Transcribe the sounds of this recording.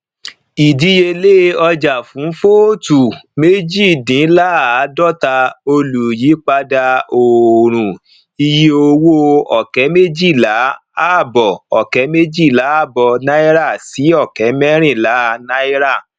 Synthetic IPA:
i˨di˨˦je˧le˦ɔ˧d͡ʒa˨fũ˨˦fo˦tu˨me˦d͡ʒi˦˨dĩ˨˦la˦˨a˨˦dɔ˦ta˧o˧lu˨ji˨˦k͡pa˧da˧o˨ɾ̃ũ˨ | i˧ji˦o˧wo˦ɔ˨kɛ˨˦me˦d͡ʒi˦˨la˨˦a˦˨bɔ˨ɔ˨kɛ˨˦me˦d͡ʒi˦˨la˨˦a˦˨bɔ˧nã˦i˦ɾa˦˨si˨˦ɔ˦˨kɛ˨˦mɛ˦ɾ̃ĩ˦˨la˨˦˨nã˦i˦ɾa˦˨

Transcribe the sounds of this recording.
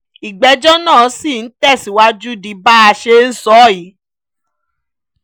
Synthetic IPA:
i˨ɡ͡bɛ˧˦d͡ʒɔ˦nãː˦˨˦si˦˨n̩˨˦tɛ˦˨si˨wa˧d͡ʒu˦di˧˦ba˦a˧ʃe˧n̩˦sɔ˦˨ji˨˦

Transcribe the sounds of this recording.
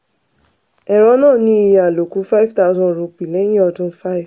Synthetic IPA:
ɛ˨ɾɔ˨˦nãː˦˨nĩ˦i˧ja˨lo˨ku˨˦fa˦i˦vta˦ʊ˧zɔ̃˦ɾo˧k͡pi˨lɛ̃˦ĩ˦ɔ˧dũ˦fa˦i˨v

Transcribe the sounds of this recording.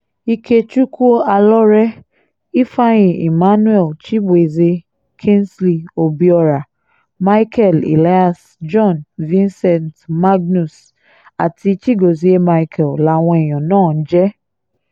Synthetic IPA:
i˧kʰe˧t͡ʃu˦ku˦o˦a˧lɔ˦ɾɛ˦ | i˦fa˦jĩ˨i˨ma˦nũ˦ɛ˦˨lt͡ʃi˦bwe˨ze˧ | kʰĩ˦nsli˨o˨bi˨ɔ˧ɾa˨ | ma˦kʰɛ˦˨lḭ˨la˦a˨s | d͡ʒɔ̃˦nvĩ˦nsɛ˨ntma˦ɡ̚nu˨s | a˨ti˧t͡ʃi˦ɡo˨zi˦e˦ma˧i˧kʰɛ˨lla˧w̃ɔ̃˧˦ɛ˨j̃ɔ̃˨nãː˦˨n̩˦d͡ʒɛ˦

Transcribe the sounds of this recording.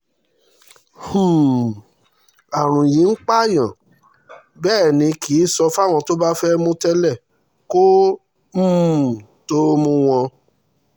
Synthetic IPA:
hũ˨ | a˨ɾ̃ũ˨jĩ˨˦k͡pa˦˨j̃ã˨ | bɛː˦˨nĩ˧kʰi˨˦sɔ˧fa˦˨w̃ɔ̃˧to˦ba˦fɛ˦mũ˧tɛ˦lɛ˦˨ | ko˦ | m̩˦˨ | to˦mũ˧w̃ɔ̃˧

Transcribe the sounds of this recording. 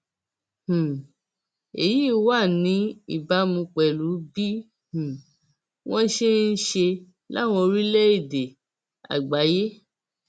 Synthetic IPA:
h̩˨ | e˨ji˦wa˦˨nĩ˨˦ḭ˦˨ba˨˦mũ˧k͡pɛ˨lu˨˦bi˦ | hũ˨ | w̃ɔ̃˦ʃe˦n̩˦ʃe˧ | la˦˨w̃ɔ̃˧ɾi˦lɛ˦i˦˨de˨ | a̰˨ɡ͡ba˨˦je˦

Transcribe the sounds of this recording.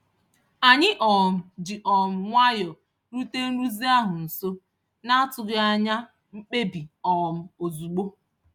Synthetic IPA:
a˨ɲɪ˦ʔɔ˨m̩˨d͡ʒɪ˨ʔɔ˨m̩˦ŋʷa˦jɔ˨ | ɾu˦te˦nu˦zi˦a˦ɦʊ˨n̩˨so˦ | na˦a˦tʊ˨ɡɪ˦a˦ɲa˦ | m̩˦k͡pe˦bi˨ɔ˨m̩˦o˨zu˨ɡ͡bo˦

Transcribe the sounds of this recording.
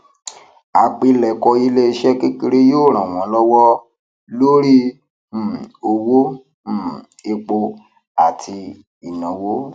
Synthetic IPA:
a˧k͡pi˧lɛ˨kɔ˧i˦le˦i˧ʃɛ˦ke˦ki˧ɾe˦joː˦˨ɾ̃ã˨w̃ɔ̃˨˦lɔ˦wɔ˦ | lo˦ɾi˦˨ | o˧wo˦˨ | e˧k͡po˧ | a˨tʰi˧ | i˨nã˨wo˦

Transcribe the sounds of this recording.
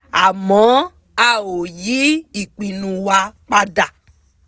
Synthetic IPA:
a˨mɔ̃˨˦ | a˦wo˨ji˦i˨k͡pi˨nũ˨wa˧k͡pa˦˧da˨

